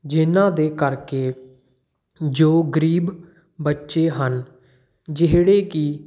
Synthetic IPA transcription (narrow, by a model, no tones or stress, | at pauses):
d͡ʒɪnãːd̪eːkəɾkeː | d͡ʒoːɡəɾiːb | bətːʃeːɦən | d͡ʒɪɦɽeːkɪ